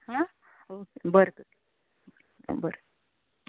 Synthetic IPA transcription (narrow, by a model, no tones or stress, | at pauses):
hã | okebəɾkət̪ | bəɾ